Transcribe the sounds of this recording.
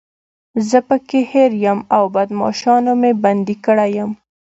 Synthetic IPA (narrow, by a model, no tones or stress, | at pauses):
zəpəkeheɾjəmawbad̪mɑ̰ʃɑnomeband̪ikəɽajəm